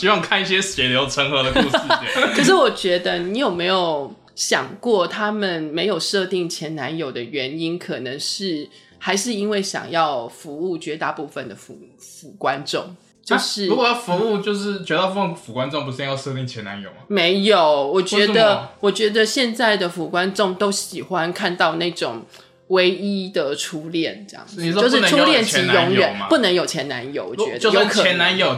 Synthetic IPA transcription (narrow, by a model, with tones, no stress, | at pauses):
ɕi˥wɑ˥˧ŋkʰa˥˧ni˥ɕjɛ˥ɕɛ˨˥ljo˧˥ʊʈ͡ʂʰə˧˥ŋxɤ˧˥d̪ə˧u˥˧kʰə˨˩ʂ̬ɻ̩˥˩wɔ˨˩t͡ɕɥɛ˧˥d̪ə˧ni˧˥jo˨˩ʊme˧˥ɪjo˨˩ʊ | ɕjɑ̰˨˩ŋkwɔ˥˩t̪ʰa˥mə˨nme˧˥ɪjo˨˩ʊʂɤ˥˧t̪i˥˩ŋt͡ɕʰjɛ˧˥nna˧˥njo˨˩ʊd̪ə˦ɥɛ˧˥ni˦˥nkʰɤ˨˩nɤ˧˥ŋʂɻ̩˥˩ | xa˧˥ɪʂɻ̩˥˩i˥nwe˥˩ɪɕjɑ̰˨˩ŋjɑ˥˩ʊfu˧˥u˥˩t͡ɕɥɛ˧˥t̪a˧pu˥˩fə˨nd̪ə˩fu˨˧˩fu˨˩kwa˦nʈ͡ʂo̰˥˨ŋ | t͡ɕjo˥˧ʊʂɻ̩˥˩u˧˥wjɑ˥˩fu˨˧˦u˥˧t͡ɕjo˥˧ʊʂɻ̩˥˩t͡ɕɥɛ˧˥t̪a˥˧p̬u˥˩fə˧˩fu˨˩kwa˦nʈ͡ʂo˥˨ŋpu˧˥˧jɑ˥˧ʊʂɤ˥˧t̪i˥˩ŋt͡ɕʰjɛ˧˥na̰˧˦njo̰˨˩ʊm˦me˧˦˥ɪjo˨˩ʊwɔ˨˩t͡ɕɥɛ˧˥d̪ə˨˧wɔ˨˩t͡ɕɥɛ˧˥d̪ə˧ɕjɛ˥˧nt͡sa˥˩ɪd̪ə˩fu˨˩kwa˦nʈ͡ʂʊ˥˩ŋt̪o˥ʊɕi˨˩xwa˦nkʰa˥˧nt̪ɑ˥˧ʊna˥˩ɪʈ͡ʂʊ˨˩ŋ | we˥ɪi˦˥d̪ə˨ʈ͡ʂʰu˥ljɛ˥˨˩nʈ͡ʂjɑ̰˥˩ŋ˨i˨˥o˥ʊʂ̬̩˥˩˧u˥˧ljɛ˥˩nt͡ɕʰi˧˥jo˧˦˥ŋɥɛ˨˩˦n˦pu˥˩nə˧˥ŋjo˨˩ʊt͡ɕʰjɛ˧˥na̰˧˦njo̰˨˧˦wɔ̰˨˩ɥɛ˧˨˦d̪ə˥˧o˧˥ʊkʰɛ˧˦na˧˦njo˨˩